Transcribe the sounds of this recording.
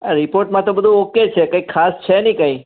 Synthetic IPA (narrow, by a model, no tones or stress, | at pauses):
aɾipoɾʈmãt̪obəd̪ʱũoket͡ʃʰekə̃ikʰːast͡ʃʰenĩkə̃ĩ